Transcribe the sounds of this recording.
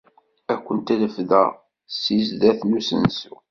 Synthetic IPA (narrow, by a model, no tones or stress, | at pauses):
ækʷːənt̪æləfðæ̰ | sizðæθnusə̰nsu